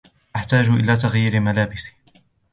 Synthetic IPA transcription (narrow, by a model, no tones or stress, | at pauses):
ʔaħt̪aːd͡ʒʊʔɪ̰laːt̪aɣjiːɾɪmalaːbɪsɪ̥